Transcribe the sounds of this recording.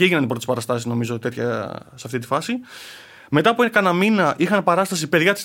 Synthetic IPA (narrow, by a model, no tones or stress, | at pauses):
ieʝinɐnipot̪ispɐɾɐst̪ɐsizno̞mizo̞t̪e̞t̪çɐ̰seɐft̪it̪ifɐsi | me̞t̪ɐpuinekɐnɐminɐʔixɐnpɐɾɐst̪ɐsipe̞ðʝɐt̪i̥s